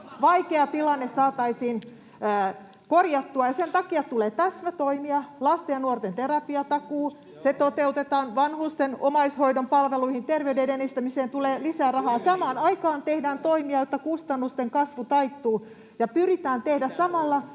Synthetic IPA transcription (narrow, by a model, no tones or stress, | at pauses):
ʋɑikeɑt̪ilɑnːessɑːt̪ɑisiːnː | korjɑt̪ːuɑjɑsent̪ɑkiɑt̪uleːt̪æsmæt̪oimiɑlɑst̪ejɑnuort̪ent̪erɑpiɑt̪ɑkuː | set̪ot̪eut̪et̪ɑːnʋɑnhust̪enomɑishoidompɑlʋeluihint̪erʋeydedenist̪æmiseːnt̪uleːlisæːrɑhɑːsɑmɑːnɑikɑːnt̪ehdæːnt̪oimiɑjot̪ːɑkust̪ɑnːust̪eŋkɑsʋut̪ɑit̪ːuː | jɑpyrit̪æːnt̪ehdæssɑmɑlːɑ